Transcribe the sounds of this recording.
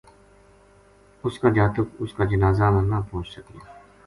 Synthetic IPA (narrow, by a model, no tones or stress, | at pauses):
ʊskad͡ʒaːt̪ʊkʊskaːd͡ʒənaːzamə̃nnapõːt͡ʃsəke